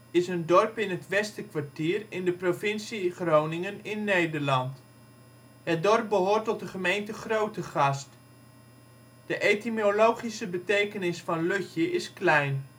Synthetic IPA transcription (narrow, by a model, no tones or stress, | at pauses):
ɪsəndɔrpɪnɦətʋɛstəkʋaɹtiːrɪndəprofɪnsiχrownɪŋənɪnːejdəɹlɑnt | hət̚dɔrp̚bəɦoːrtɔt̚dəχəmejntəχrowtəχɑst | d̥əʔejtimolowχisəbətejkənɪsfɑnløçjəʔɪsklɛjn